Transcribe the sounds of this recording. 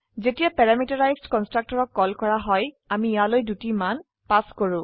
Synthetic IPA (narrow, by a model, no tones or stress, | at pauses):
zetijapɛɹamitɔɹajzdkɔnstɹak̚tɔɹɔkːɔlkɔɹaɦɔj | amiːjalojdutiman | paskoɹʊ̃